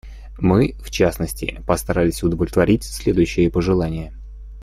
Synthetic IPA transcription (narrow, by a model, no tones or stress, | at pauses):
mɨft͡ɕasnəsʲtʲɪ̰pəst̪ɐɾalʲɪsʲʊd̪əvlʲɪt̪vɐɾʲitʲsʲlʲed̪ʊjʉɕːɪjəpəʐɨlˠanʲɪjə